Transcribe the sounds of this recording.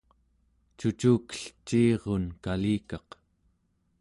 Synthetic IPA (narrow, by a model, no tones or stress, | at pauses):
t͡ʃut͡ʃuːkə̥ɬt͡ʃːiːʁonkaliːkɑq